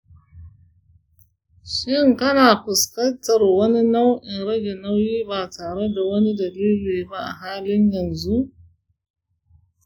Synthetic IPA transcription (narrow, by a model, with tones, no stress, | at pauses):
ʃɪ˦ŋkɐ˦naː˨ɸʊ˨skɐ˦ntɐ˨rwɐ˦ni˦na˦wʔɪ˨nɽɐ˦ɡʲɛ˨na˦wjiː˦baː˨tʰaː˨ɽe˦da˨wɐ˦ni˦dɐ˨liː˦liː˨ba˦ʔa̰˨ɦaː˦lɪ˦ɲjɐ˨nzu˦ʔ